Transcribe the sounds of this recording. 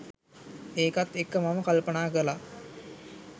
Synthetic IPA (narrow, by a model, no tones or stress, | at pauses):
eːkat̪ːekːəmaməkalpənaːkəla